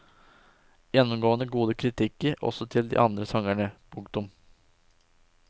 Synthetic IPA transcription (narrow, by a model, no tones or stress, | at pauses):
jɛnːʊmɡoːənəɡuːd̪əkʰɾɪt̪ʰɪkːəɾɔ̰sɔt̪ʰɪld̪ḭːʔɑnd̪ɾəsɑŋæɳəpʰʊŋkt̪ʊm